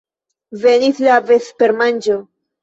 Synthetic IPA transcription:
veniθlavespeɾmand͡ʒo

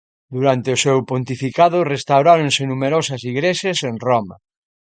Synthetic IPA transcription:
d̪uɾant̪eʊsewpõnt̪ifikaðʊrest̪awɾaɾõnsenumeɾosɐsiɣɾeʃasenroma̰

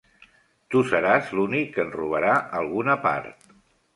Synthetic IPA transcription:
t̪usəɾazlunikːənruβ̞əɾaʔəlˠɣunəpa̰ɾt̪

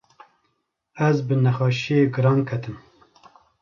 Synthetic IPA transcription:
æzbɨnɛxɑːʃijeːɡɨɾɑːnkʰɛt̪ɨm

